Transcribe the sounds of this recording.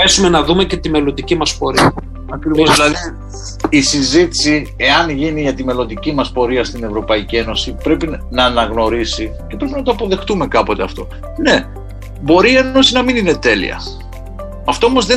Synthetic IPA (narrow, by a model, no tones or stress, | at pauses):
esume̞nɐðumece̞t̪ime̞lo̞nd̪icimɐspo̞ɾiɐ | ɐkɾivosilɐðiː | sizit̪i̥sie̞ɐnʝiniʝɐt̪ime̞lo̞nd̪icimɐspo̞ɾiɐst̪ine̞vɾo̞pɐicie̞no̞sipɾe̞pinɐːnɐɣno̞ɾisice̞pɾe̞pinɐt̪oɐpo̞ðe̞xt̪ume̞kɐpo̞t̪e̞ɐft̪o̞ | ne̞ | bo̞ɾiːe̞no̞sinɐminine̞t̪e̞lḭɐ̰ | ɐft̪oomo̞zðe